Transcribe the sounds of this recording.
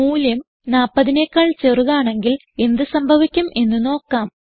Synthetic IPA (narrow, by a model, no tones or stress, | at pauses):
muːljɐm | naːpːɐðineːkːaːɭt͡ɕe̞ruɣaːɳe̞ŋɡil | e̞nd̪ɨsɐmbʱɐʋikʲːumʔe̞nːɨno̞ːkːaːm